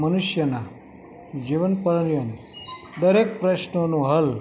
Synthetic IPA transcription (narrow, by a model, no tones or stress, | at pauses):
mənʊʃjəna | d͡ʒiʋənpəɾənjon | d̪əɾek̚pɾəʃnonũɦəl